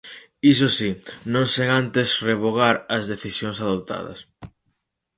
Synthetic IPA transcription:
isosinõŋseŋant̪esreβoɣ̞aɾɐzðeθisjoŋsaðot̪a̰ðɐ̰s

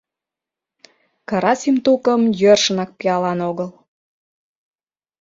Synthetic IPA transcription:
kɑɾɑsimt̪ukəmjørʃənɑk̚pijɑlɑnoɣəl

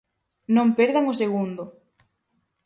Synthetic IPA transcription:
nõmpeɾðaŋʊseɣ̞und̪ʊ

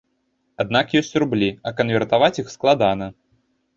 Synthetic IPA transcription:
ad̪̚nakjɔsʲt͡sʲrublʲiɐkɐnvʲɛrt̪avat͡sʲixsklˠad̪anɐ

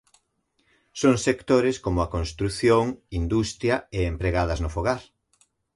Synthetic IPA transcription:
soŋsekt̪oɾɪskomʊɐkõnst̪ɾuθjoŋind̪ust̪ɾjɐeempɾeɣaðɐznʊfoɣaɾ

